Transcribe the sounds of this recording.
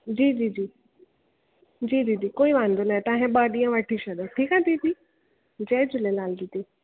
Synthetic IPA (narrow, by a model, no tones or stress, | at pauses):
d͡ʑiːd͡ʑiːd͡ʒiː | d͡ʒiːd͡ʑiːd͡ʒiːkoːiʋãːnd̪onaɦɛ̃t̪ãːɦẽɓaːɗijãʋɛʈʰiʃəd̪aʈʰiːkãt̪id͡ʒiː | d͡ʒɛːd͡ʒʊlẽlaːld̪it̪i